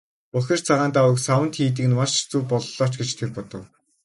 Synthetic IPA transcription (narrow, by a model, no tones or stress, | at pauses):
pʊxʲɪ̆rt͡sʰaʁaːnt̪awə̆ksawə̆nt̪xiːt̪̬ĭːkɘ̆nmaʃt͡suːpɔɮɮɔːt͡ɕɡet͡ɕt̪ʰerpɔt̪ɞ̆w